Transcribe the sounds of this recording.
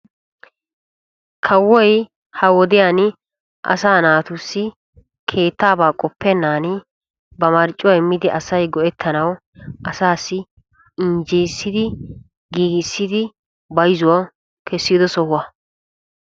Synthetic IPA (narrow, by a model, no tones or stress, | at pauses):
kʰɐwːɔj | hɐwɔd̪ɪjan | ʔɐ̰saːnaːt̪ʊsːɪ | kʰe̞ːt̪ːaːbaːkʼɔpːɛnːaːnɪ | bɐmɐɾt͡ʃʼːʊɛmːɪd̪ɪʔɐsɐjɡɔʔɛt̪ʰːɐnɐw | ʔɐsaːsːɪ | ɪnd͡ʒijsːɪd̪ɪ | ɡiːɡɪsːɪd̪ɪ | bɐjzʊwɐ | kʰɛsːiːd̪ɔsɔhʊwɐ